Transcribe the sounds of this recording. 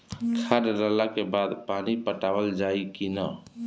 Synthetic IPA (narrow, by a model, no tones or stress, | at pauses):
kʰaɾɾəlakebad̪panipəʈabəld͡ʒaikinə